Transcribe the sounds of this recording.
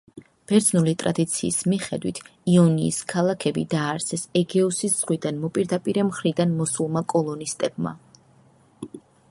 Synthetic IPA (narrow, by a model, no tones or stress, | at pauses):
b̥ɛɾd̪znulit̪ʼɾa̰d̪it̪sʰiːsmiχɛd̪wit̪ʰ | iɔniːskʰalˠakʰɛbid̪aːɾsʰɛsɛɡɛusisz̥ʁwid̪anmɔpʼiɾd̪apʼiɾɛmχɾid̪anmɔsulˠmakʼɔlˠɔnist̪ʼɛb̚ma̰